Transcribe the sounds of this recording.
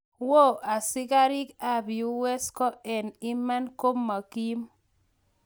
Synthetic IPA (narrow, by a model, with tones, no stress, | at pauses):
wo˦ʔa˨sɪ˦ka˦ɾɪ˦ka˦˨bi˨u˦wɛ˦skɔ˦ɛ˨nɪ˦ma˦nko˦mːa˨ki˦m